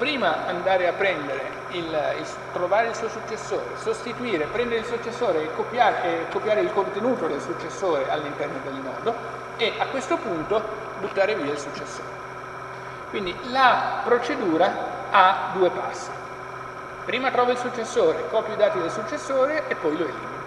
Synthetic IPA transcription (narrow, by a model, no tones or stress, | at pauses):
pɾiːmaand̪aːɾeapːɾɛnd̪eɾḛ | ilil | t̪ɾovaːɾeilsuːosut͡ʃːesːo̰ːɾḛsost̪it̪uiːɾepɾɛnd̪eɾɪilsut͡ʃːesːoːɾeːkːopjaːɾkːopjaːɾeilkont̪enuːt̪od̪elsut͡ʃːesːoːɾealːint̪ɛrnod̪elnɔ̰ːd̪o | eʔakːwest̪opunt̪o | but̪ːaːɾeviːailsut͡ʃːesːo̰ːɾe | kwind̪ilapɾot͡ʃed̪uːɾa | ad̪uːepa̰sːi̥ | pɾiːmat̪ɾɔːvailsut͡ʃːesːoːɾekɔpjoid̪aːt̪id̪elsut͡ʃːesːoːɾeːpːɔjloelḭmːina